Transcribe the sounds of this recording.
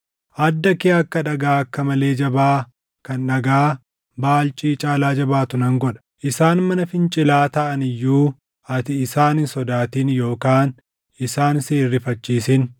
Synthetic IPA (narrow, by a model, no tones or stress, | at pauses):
ʔɐd̪ːɐkeːɐkːɐᶑɐɡaːɐkːɐmɐle̞ːd͡ʒɐbaː | kɐnᶑɐɡaː | baːlt͡ʃʼiːt͡ʃʼaːlaːd͡ʒɐbaːt̪ʊnɐŋɡɔᶑɐ̥ʔɪsaːnmɐnɐfɪnt͡ʃʼɪlaːt̪ɐʔɐnɪjːuː | ɐt̪ɪɪsaːnɪsɔd̪aːt̪iːnjo̞ːkaːn | ɪsaːnseːrːɪfɐt͡ʃːiːsɪn